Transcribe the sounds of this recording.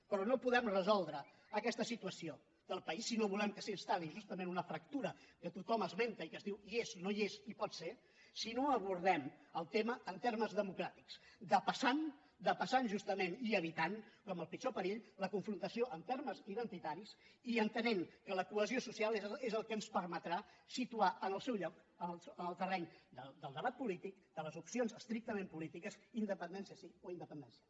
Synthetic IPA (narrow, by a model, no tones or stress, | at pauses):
pɾɔnopuðɛmrəzɔlˠd̪ɾəː | kɛst̪əsit̪uəsio | d̪əlˠpəisːinoβulɛmkəsiəst̪aliʒust̪əmenunəfɾək̚t̪uɾəkət̪ut̪ɔməzment̪əikəzðiwieznoiezipɔt̪se | sinoəβ̞uɾð̞ɛməlˠt̪eməːnt̪erməzðəmukɾat̪iksd̪əpəsan | d̪əpəsanʒust̪əmeniəβit̪ankɔməlˠpit͡ʃopəɾiʎləkuɱfɾunt̪əsioʔəmt̪erməziðənt̪it̪aɾisiənt̪ənɛmkələkuəziosusialˠeezəlˠkənspəɾmət̪ɾasit̪uaʔənəlˠsɛwʎɔk | ənlsənəlˠt̪ərɛɲd̪əd̪əlˠd̪əβat̪̚pulit̪ik̚d̪̥ələzupsionzəst̪ɾik̚t̪əmempulit̪ikəzind̪əpənd̪ɛnsiəsioind̪əpənd̪ɛnsiə